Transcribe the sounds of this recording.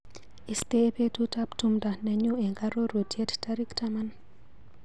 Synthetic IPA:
i˨stepe˦tu˦taptumda˨nɛ˨ɲuɛ˨ŋɡaɾo˦ɾo˨djɛ˦ttaɾi˦ktaman

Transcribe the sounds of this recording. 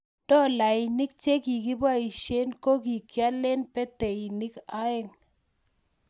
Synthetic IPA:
d̥ɔ˦˨la˨ɪ˨ni˦k̚t͡ʃe˦ki˨ki˦ba˦i˨ʃe˦nko˦k̬i˨kja˦le˦npɛ˦te˨i˨ni˦ka˦ɪ˦ŋ

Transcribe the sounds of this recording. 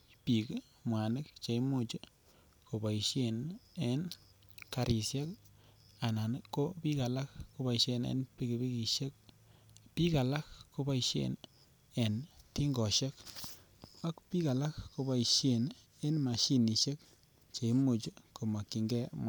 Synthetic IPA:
pi˨k | mwa˨nɪ˦k̚t͡ʃe˨i˦mo˦t͡ʃ | ko˨ba˨i˨ʃe˦ne˦n | ka˨ɾʔi˨sje˦k | a˨na˨n˦kːo˦pi˦ka˨la˦kko˦ba˨ʃe˧nḛ˦npi˦kbi˦ki˨ʃe˦k̚ | pi˦ka˨la˦kko˦ba˦iʃḛ˦˨n | e˨nti˦ŋɡɔ˨ʃe˦k | a˦kpi˦ka˨la˦kko˧ba˨i˨ʃe˨n | e˦nma˨ʃi˦ni˨ʃe˦k̚ | t͡ʃe˨i˦mo˨t͡ʃko˨ma˨kːi˨ŋɡɛ˦m˨

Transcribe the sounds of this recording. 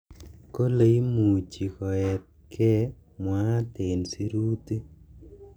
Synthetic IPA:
ko˦le˦i˦mu˨t͡ʃi˨kɔ˨ɛ˨t̚kʰɛ˦ | mwa˦te˨nsi˦ɾu˦ti˦

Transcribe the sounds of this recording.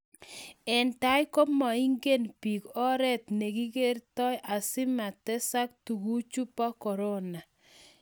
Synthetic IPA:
ɛ˨nta˨˦jko˦mɔ˨i˦ŋɡe˦npi˨kɔ˦ɾɛ˦t̚ne˨ki˦ke˦ɾtɔ˦jʔa˨sɪ˦ma˨tɛ˦sa˦k̚tu˨ku˦t͡ʃu˦pa˦kɔ˨ɾo˦na˨

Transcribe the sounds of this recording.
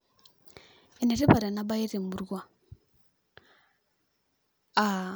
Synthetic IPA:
ɛ˨nɛ˨ɾɛ˦pa˨ɾa˨na˦ba˦i˦ɾe˨mu˨ɾɡwa˨ | a˨

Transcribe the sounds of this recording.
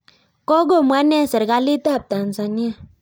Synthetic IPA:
kɔ˦ɡo˦˨mwa˦nɛ˦˨sə˨ɾka˦li˦ta˦˨p̚ta˨n˨sa˨ni˦a˦˨

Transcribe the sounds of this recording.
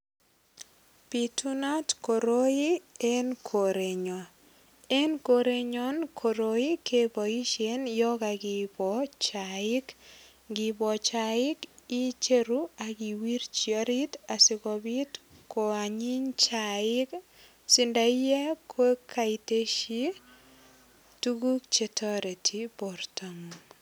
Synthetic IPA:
pi˨tu˦na˦tko˨ɾoi˦e˦nkʰo˨ɾe˨ɲɔ˨ | e˦nkoɾe˦ɲɔ˦nkʰo˨ɾoi˦kʰe˦bɔ˨i˦ʃenjɔ˦ka˨ɡibɔt͡ʃaɪk | ɡi˨bɔ˨t͡ʃaɪ˦ki˦t͡ʃe˦ɾuaki˨wi˦ɾt͡ʃio˦ɾi˦tasɪ˨kɔbi˦tko˨a˨ɲi˦ɲt͡ʃaɪ˦k | si˨nda˨i˦jɛ˦kʰwe˦kʰa˨i˨te˦ʃi˦ | tu˦ɡu˦k̚t͡ʃetʰɔ˦ɾe˨tʰi˨pɔ˨ɾta˨ŋ

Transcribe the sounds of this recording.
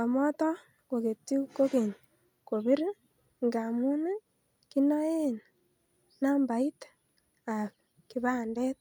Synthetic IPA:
o˨mo˦to˦ | ko˨ke˨ti˦uko˦ke˨ɲa | ko˨βi˦ɾe˦ | ŋɡa˨mu˦na˦ | ki˦no˦e˦na | na˦mba˨i˦tḁ | a˨β | ki˨βa˦nde˦t

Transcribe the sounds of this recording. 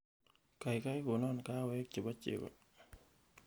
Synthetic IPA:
ka˨jka˦jko˨nɔ˦nka˦wɛ˦k̚t͡ʃɪ˨ba˦t͡ʃɪ̰˨kɔ̰˨

